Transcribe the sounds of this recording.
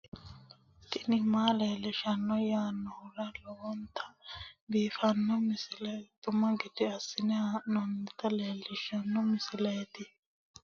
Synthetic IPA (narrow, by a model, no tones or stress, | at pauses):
t̪ɪnɪmaːleːlːɪʃɐnːɔjaːnːɔhʊɾɐlɔwɔnt̪ɐbiːfɐnːɔmɪsɪlet̪ʊmɐɡɪd̪ɪɐsːɪnɛanɔnt̪ɐleːlːɪʃɐnːɔmɪsɪleːt̪ɪ